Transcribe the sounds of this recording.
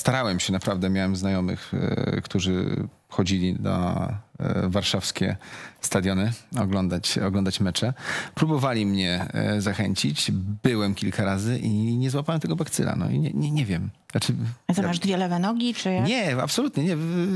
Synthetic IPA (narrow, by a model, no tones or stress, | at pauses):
st̪aɾawɛmɕɛnapɾavd̪ɛmʲjawɛmznajɔmɘ̰xkt̪uʐɘ̰ | xɔd͡ʑilʲid̪ɔ̰ | vaɾʂafskʲɛ̰st̪ad̪jɔnɘɔɡlɔnd̪at͡ɕɔɡlɔnd̪at͡ɕmɛt͡ʂɛpɾubɔvalʲimɲɛzaxɛɲt͡ɕit͡ɕbɘwɛmkʲilkʰaɾazɘʔiɲɛzwapawɛmt̪ɛɡɔbakt̪sɘ̰la̰nɔ̰ḭɲɛ̰ɲɛɲɛvʲjɛm | nat͡ʂɘazɔmaʐd̪vʲjɛlɛvɛnɔɡʲit͡ʂɘɲɛa̰psɔlut̪ɲɛɲɛ